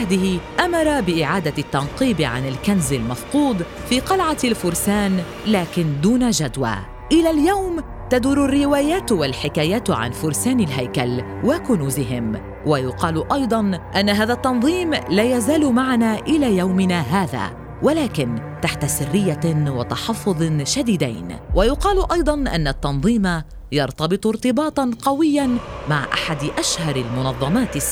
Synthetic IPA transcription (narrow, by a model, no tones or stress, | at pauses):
ahd̪ɪhɪʔamɑɾˤɑbɪʔɪʕaːd̪at̪ːɑnqiːbɪʕa̰nɪlkanzɪlmɑfquːd̪ˤfiːqɑlʕalfʊɾsaːn | laːkɪnd̪uːnaʒad̪wa̰ː | ʔɪlaːljawm | t̪ad̪uːɾʊrːɪwaːjaːt̪walħɪkaːjaːt̪ʕa̰nfʊɾsaːnɪlɦajkal | wakʊnuːzɪɦɪm | wajʊqɑːlʔɑjd̪ˤɑnʔanːaɦaːðat̪ːɑnðˤiːmlaːjazaːlʊmaʕanaːʔɪlaːjawmɪnaːɦaːða̰ː | walaːkɪnt̪aħt̪asɪrːɪjːawɪt̪ɑħɑfːʊðˤʃad̪iːd̪a̰jnwajʊqɑːlʊʔɑjd̪ˤɑnʔa̰nːat̪ːɑnðˤiːma | jɑɾˤt̪ɑbɨt̪ˤʊɾt̪ɨbɑːt̪ˤɑnqɑwɪjːanmaʕʔa̰ħad̪ɪʔaʃhɑɾˤɪlmʊnɑðˤːɑmɑːt̪ɪs